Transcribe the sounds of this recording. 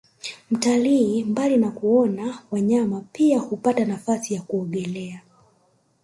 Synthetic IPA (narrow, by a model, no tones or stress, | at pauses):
m̩taliːmbalinakuɔnawaɲamapiahupatanafasijakuɔɠɛlɛa